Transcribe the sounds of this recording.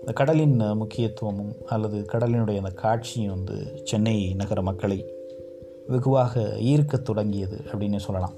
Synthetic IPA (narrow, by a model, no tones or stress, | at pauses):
ɪnd̪ɐkɐɽɐlɪnmʊkʰːɪjɐt̪ːɯʋɐmɯmɐlːɐðɯkɐɽɐlɪnɯɽɐjɐɪnd̪ɐkʰaːʈ̚t͡ʃɪjʋɐnd̪ɯ̰t͡ʃɛnːɐɪnɐɣɐɾɐmɐkːɐɭɐɪ | ʋɪɣɯʋaːɣɐ̰iːɾkːɐt̪ːɔɽɐŋɡɪjɐðɯ̰ʔɐpːɐɽɪnːesɔlːɐlã̰ːm